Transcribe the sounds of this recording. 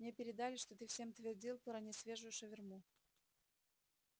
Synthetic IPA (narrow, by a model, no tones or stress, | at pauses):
mnʲepʲɪɾʲɪd̪alʲɪʂt̪ot̪ɨfsʲe̞mt̪vʲɪrdʲilˠp̪əɾɐnʲɪsvʲe̞ʐʊjʊʂəvʲɪrmu